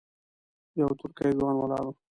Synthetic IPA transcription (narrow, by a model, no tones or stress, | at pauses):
jawt̪ʊɾkajzwɑnwalɑ̰ːɾu